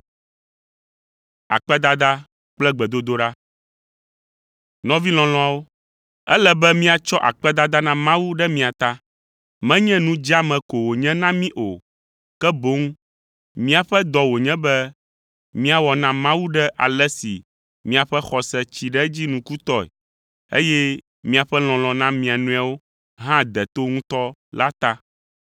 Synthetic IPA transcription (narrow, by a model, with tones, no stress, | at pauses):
a̰˨k͡pɛ˦d̪a˦d̪a˦ | k͡plɛ˦ɡ͡bɛ˨d̪o˦d̪o˦ɖa˦ | nɔ̃˦vi˦lɔ̃˨lɔ̃˦a˨wo˦ | ɛ˦lɛ˦bɛ˦mĩ˦a˨t͡ʃɔ˦ʔa̰˨k͡pɛ˦d̪a˦d̪a˦nã˦mã˦wu˦ɖɛ˦mĩ˦a˨t̪a˦ | mɛ̃˦ɲɛ̃˦nũ˦d͡ʑi˦a˦mɛ̃˨ko˨wo˨ɲɛ̃˦nã˦mĩ˦ʔo˨ | kɛ˦bo˦ŋ˦ | mĩ˦a˨ɸɛ˦d̪ɔ˨wo˨ɲɛ̃˦bɛ˦ | mĩ˦a˨wɔ˨nã˦mã˦wu˦ɖɛ˦ʔa̰˨lɛ˦sḭ˨ | mĩ˦a˨ɸɛ˦xɔ˨sɛ˦t͡ɕi˨ɖɛ˦d͡ʑi˦nũ˨ku˦t̪ɔ˦ɛ̰˨ | ḛ˦jɛ˦ | mĩ˦a˨ɸɛ˦l̃ɔ̃˨l̃ɔ̃˨nã˦mĩ˨a˨nũ˦a˨wo˦ | ɦã˦d̪ɛ˨t̪o˦ŋũ˦t̪ɔ˦la˦t̪a˦